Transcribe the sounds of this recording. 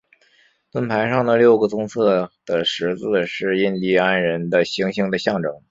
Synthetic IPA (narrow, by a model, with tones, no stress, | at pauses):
t̪wə˥npʰa˧˥ɪʂɑ˥˩ŋd̪ə˩ljo˥˩ʊɡə˩t͡sʊ˥ŋt͡sʰɤ˥˩d̪̥ə˩ʂɻ̩˧˥t͡sɹ̩˥˧ʂɻ̩˥˩i˥nli˧˥˩a˥nɻə˧˥nd̪ə˧ɕi˧˥ŋɕi˧˥ŋd̪ə˧ɕjɑ˥˩ŋʈ͡ʂɤ˧˩˦ŋ